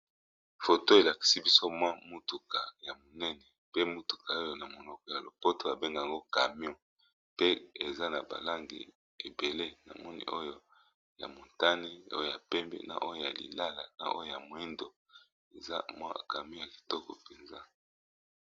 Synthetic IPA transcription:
fo˨to˦e˨la˨ki̥˨si˦bi˦so˦mwa˦mu˦tu˨ka˨ja˨mo˨nɛ˦nɛ˨pe˦mu˦tu̥˨kʰa˨o˦jo˦na˨mo˨nɔ˨kɔ˨ja˨lo˨po˦to˨a˨be˦ŋɡa˨ŋɡo˦ka˨mjɔ̃˦ | pe˦e˨za˦na˨ba̰˨la˦ŋɡḭ˨ | e˨be˨le˦na̰˨mɔ˦nḭ˨ʔo˦jo˦ | ja̰˨mo˨nta˦ni˦o̰˦jo˨ja˨pɛ˦mbɛ̰˦na̰˨ʔo˦jo˦ja˨lḭ˨la˦la̰˨na̰˨ʔo̰˦jo˦˨ja˨mo˨i˦ndo˨ | e˨za˦mwa̰˦ka˨mjɔ̃˦ja˨ki̥˨tɔ˦kɔ̰˨pɛ˨nza˦

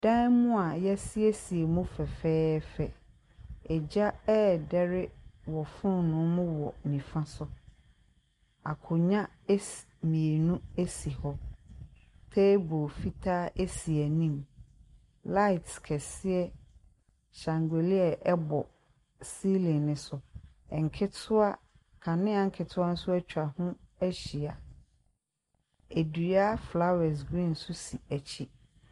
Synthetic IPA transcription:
d̥ã˦n˦mʊ̃˦a˨jɛ˦si˦e˦si˨e˨mũ˦fɛ˨fɛː˦fɛ˨ | ɛ˨d͡ʑa˦ɛ˦dɛ˦ɾɪ˦wɔ˨fʊ̃˦nʊ̃˦mʊ̃˦wɔ̰˨nĩ˨fã˦sʊ˦ | a̰˨kʰʊ˨ɲã˦ | s | mĩ˨e˨nũ˦e˦si˨hɔ˦ | tʰe˦bo˨fi˦tʰaː˦e˦si˨ɛ˨nĩ˦˨m | la˦ɪ˨tkʰɛ˨sɪ˦ɛ˦ | ɕã˨ŋɡe˨li˦ɛ˨ʔɛ˦bɔ˨ | si˦lĩ˨nnɪ̃˨sʊ˨ | ɛ˨ŋ˨kʰɪ˦tʰʊ˦a˦ | kʰã˨nɪ̃˦a˨ŋ̩˦kʰɪ˨tʰʊ˦a˦n̩˦sʊ˦æ˦t͡ɕʰᶣa˨hʊ̃˦æ˦ɕi˨a˨ | e˨du˨a˦fla˦wɛ˨s̬ɡɾĩ˦˨n̩˦sʊ˦si˨æ˨t͡ɕʰi˦

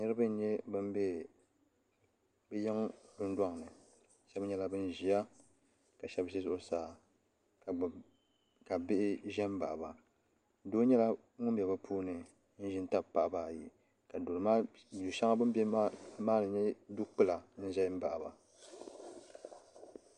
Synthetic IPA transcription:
ɲɛ˦ɾɨ˦bɨ˦n˦ɲɛ˦bɨ˦m˦bɛ˦ | bɛ˦jɛ˦ŋ˦dʊ˦n˦da˦ŋ˨nɨ˨ | ʃɛ˦bɲɛ˦la˦bɨ˦nʒi˨a˦ | ka˨ʃɛ˦bʃɪ˦zʊ˨ʔʊ˨saː˨ | ka˨bɪ˦ʔɪ˦ʒɛ˦m˦ba̰˨ʔa˨ba˨ | doː˦ɲɛ˦la˦ | ŋʊ˦m˦bʲɛ˨ba˦pʰuː˦nɨ˨ | n̩˦ʒɪ˦n˦ta˦bpa˨ʔbaː˨ji˨ | ka˨do˨lɨ˨ma˦˨ | u˨ʃa˦ŋa˦bɨ˦m˦bmaː˦nɨ˨ɲɛ˦du˦k͡pɨ˦la˨n̩˦ʒɛ˦m̩˦ba˨ʔba̰˨

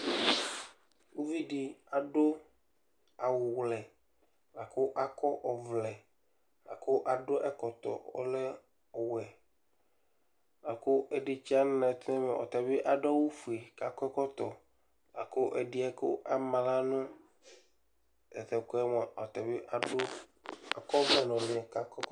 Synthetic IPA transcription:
wu˦vi˦ɖi˨a˨ɖo˦ | a˨wʊ˨wlɛ˨ | la˨ko˦ʔa˦kɔ˦ʔɔ˨vlɛ˨ | la̰˨ko˦ʔa˨ɖo˦ʔɛ˦kɔ˨t̪ɔ̰˨ɔ̰˦le˦ | ɔ˨wɛ˨ | la˨ko˦ʔe˨ɖi˦t͡ʃi˦a˦n˦nã˨t̪nɛ̃˦me˨ʔɔ̰˨t̪a˨be˦ʔa˨ɖɔ˦wu˦fu˨e˨ka˨kɔ˦ɛ˦kɔ˦t̪ɔ˨ | la̰˨ko˦ʔe˨ɖi˦ɛ˦ko̰˦ʔa˨mã˨la˦nũ˦ | ɛ˨t̪ɛ˨kɛ˦mɔ˨ɔ˨t̪ɛ˨be˦ʔa˨o˦a˨kɔ˦vlɛ˨nɔ̃˨lĩ˨ɛ˨ka˨kɛ˦

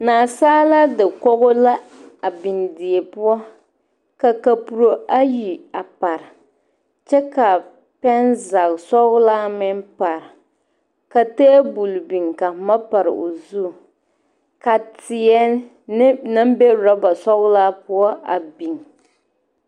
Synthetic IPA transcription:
naː˨saː˦la˦dɪ˨kɔ˦ɣʊ˦la˦a˨bi˨ndi˨e˨pʊ˦ɔ˦ | ka˨ka˨pu˨ɾo˨a˦ji˨a˨pa˨ɾɪ˨ | t͡ʃɛ˦ka˨ | pɛ˦nza˨ɣsɔ˦ɣlaː˦mɪ˦npa˨ɾɪ˨ | ka˨te˦bu˨lbi˨ŋka˨ma˦pa˨ɾɨ̰˨o̰˨zu˦˨ | ka˨tɪ˨ɛ˦ | n˦na˦m˦be˦ɾɔ˦ba˨sɔ˦ɣlaː˦pʊ˦ɔ˦a̰˨bi˨ŋ

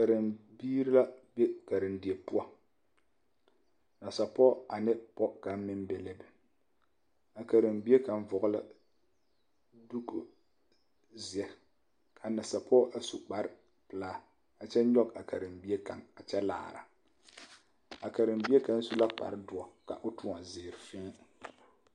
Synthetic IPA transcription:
ka˨ɾɪ˨mbiː˦ɾi˦la˦be˦ka˨ɾɪ˨ndi˨e˨pʊ˦ɔ˦ | na˨sa˨pɔ˦a˨nɪ˦pɔ˦ka˨˦m˦mɪ˦mbe˨le˦bɛ˦ | a˨ka˨ɾɪ˨mbi˦e˦ka˨nvɔ˨ɣʊ˦la̰˦ | du˦ku˦ | zi˨ɛ˨˦ | kʰa˨na˨sa˨pʰɔ˦ʔa˨su˨k͡pa˨ɾɪ˦ | pɨ˨laː˦˨ | a˨t͡ʃɛ˦ɲɔ˦ka˨ka˨ɾɪ˨mbi˦e˦ka̰˨ŋa˨t͡ʃɛ˦la̰ː˨ɾa̰˨ | a˨ka˨ɾɪ˨mbi˦e˦ka˦n̩˦su˦la˦k͡pa̰˨ɾɪ˦dʊ˨ɔ˨ka̰˨ʔʊ˦tʊ˦a˨zɪː˨ɾɪ˨fɪ˦

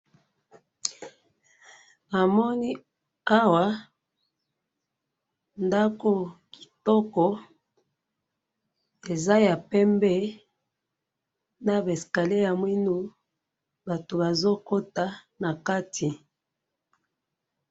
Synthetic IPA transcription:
a˨mɔ˦ni˦ | a˦wa˨ | nda˦ko˦ki̥˨tɔ˦kɔ˨ | e˨za˦ja˨pɛ˦mbɛ˦ | na˨be˨ska˨le˦ja˨mwi˦nu˦ | ba˨to˨ba˨zo˦ko˦ta˦na˨ka˦ti˨

